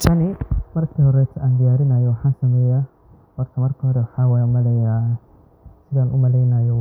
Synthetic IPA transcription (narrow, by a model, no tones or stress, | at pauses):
t͡ʃʰɐnɪmɐrkʰiːhɔɾɛjt̪ʰɐʔaːnd̪ɪjaːɾɪnaːjɔwɑħaːnsɐmɛːja | wɔrt̪ʰɐmɐrkʰihɔɾɛwɑħaːwaːjmɐlɛja | sɪðaːnʔʊmɐlɛjnaːjɔ